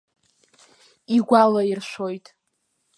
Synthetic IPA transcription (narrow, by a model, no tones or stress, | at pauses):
iɡʷalairʃʷo̞jtʼ